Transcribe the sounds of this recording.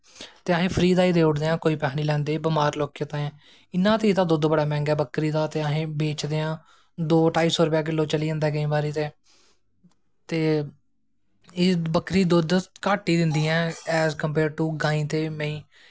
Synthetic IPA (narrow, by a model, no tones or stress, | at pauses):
t̪eːəɦẽːpʰəɾiːd̪aːiːd̪eːʊɽd̪eːãːkoːiːpɛːɦniːlɛ̃ːnd̪eːbəmaːɾloːkːjət̪ãːɛ̃ː | ɪnːãːt̪eːiːt̪ãːd̪ʊd̪bəɽaːmɛ̃ːŋɡɛːbəkːɾiːd̪aːt̪eːaɦẽːbeːt͡ʃd̪eːãː | d̪oːʈaːiːsɔːɾəpjaːk̬ɪlːõːt͡ʃəliːə̃nd̪ɛːɡəĩːbaːɾiːt̪eː | t̪eː | bəkɾiːd̪ʊd̪kaːʈiːd̪ɪnd̪iːɛ̃ːɛːzkəmpeːɾɖ̚ʈuːɡãːĩːt̪eːmə̃ĩː